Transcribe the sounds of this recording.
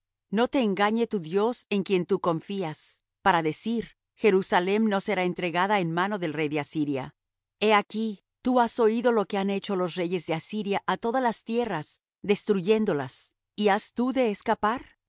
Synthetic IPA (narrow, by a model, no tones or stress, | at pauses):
no̞t̪e̞ːŋɡaɲe̞t̪uðjo̞se̞ŋkje̞nt̪uko̞ɱfias | paɾaðe̞siɾ | xe̞ɾusale̞mno̞se̞ɾaent̪ɾe̞ɣaðaenmano̞ðe̞lrejðe̞asiɾja̰ | e̞aki | t̪uaso̞iðo̞lo̞ke̞ane̞t͡ʃo̞lo̞sre̞ʝe̞zðeasiɾjaʔat̪o̞ðalast̪je̞ras | ðe̞st̪ɾuʝe̞nd̪o̞las | iast̪uðe̞ːskapaɾ